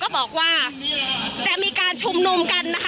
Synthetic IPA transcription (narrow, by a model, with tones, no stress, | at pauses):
kɔː˥˩bɔː˨˩k̚waː˥˩ | t͡ɕa˨˩miː˧kaː˧nt͡ɕʰu˧mnu˧mka˧nːa˦˥kʰ